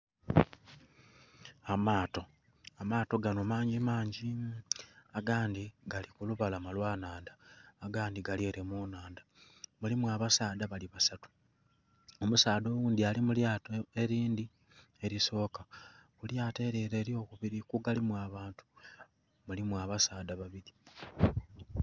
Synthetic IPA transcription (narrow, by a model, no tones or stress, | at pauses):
amaːto̞ | amaːto̞ɡanomaːɲɟimaːɲɟi | aɡaːndiɡalikuluβalamalwaːnaːndaːɡaːndiɡalieɾemunaːnd̪a | mulimwaβasaːd̪aβaliβasatu̥ | o̞musaːd̪o̞wuːnd̪ialimuljaːtoe̞ɾiːndi | e̞ɾiso̞ːkaβuljaːte̞ːɾeɾe̞ːɾijo̞kuβiɾikuɡalimwaːβaːntu̥ | mulimwaːβasaːdaβaβiɾi